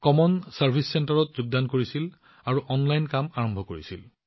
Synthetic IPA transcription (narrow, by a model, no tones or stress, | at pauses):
kɔmɔnsaɹpʰisːentaɹɔtzuɡ̚dankoɹisil | aɹuʔɔnlajnkamaɹɔmbʱɔkoɹisil